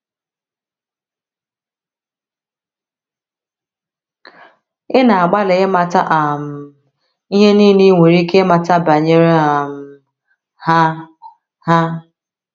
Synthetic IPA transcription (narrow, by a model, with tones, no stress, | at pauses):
ɪ˦na˨a˨ɡ͡ba˦le˨ɪ˦ma˨ta˦ʔa˨m̩˦ | i˦ɦe˦niː˦˨ni˦ŋʷe˨ɾi˦ke˦ma˨ta˦ba˨ɲe˦ɾe˦a˨m̩˦ | ha˦ | ha˦